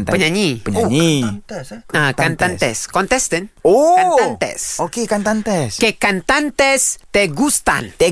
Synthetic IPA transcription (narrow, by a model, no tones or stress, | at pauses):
npəɲaɲiəɲɲi | akant̪ant̪ɛ̰skɔnt̪ɛst̪ɛnoatãnt̪ɛ̰sokekant̪ant̪ɛskekant̪ant̪ɛst̪eɡust̪a̰nt̪e